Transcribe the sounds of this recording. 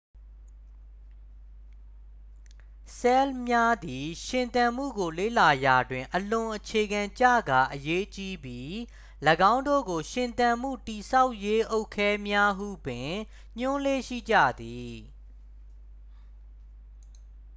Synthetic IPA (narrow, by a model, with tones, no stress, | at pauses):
sɛ˦lmja˦d̪i˨ʃɪ̃˨nt̪ã˨m̥ṵ˦˨ɡo˨lḛ˦˨la˨ja˨dwɪ̃˨ʔəlʊ̃˨ʔət͡ɕʰe˨ɡã˨ɲt͡ɕä̰˦˨ɡa˨ʔəje˦t͡ɕi˦bji˦ | ləɡã˦ʊ̃ndo̰˦˨ɡo˨ʃɪ̃˨nt̪ã˨m̥ṵ˦˨ti˨sa˦ʊʔje˦ʔo˦ʊkʰːɛ˦mja˦ɦṵ˦˨bɪ̃˨ | ɲ̥ʊ̃˦le˦ʃḭ˦˨d͡ʑä̰˦˨d̪i˨